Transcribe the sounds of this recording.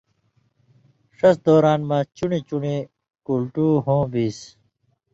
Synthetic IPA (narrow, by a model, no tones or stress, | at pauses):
ʂɐsd̪oːɾaːnmãːt͡ɕunet͡ɕune | kulʈuːɦõːbiːs